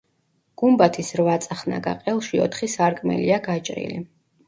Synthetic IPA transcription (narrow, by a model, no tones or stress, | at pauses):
ɡ̥umbat̪ʰisɾvat̪sʼaχna̰ɡa̰qʼɛlˠʃiɔt̪ʰχisaɾkʼmɛ̰liaɡat͡ʃʼɾḭlḭ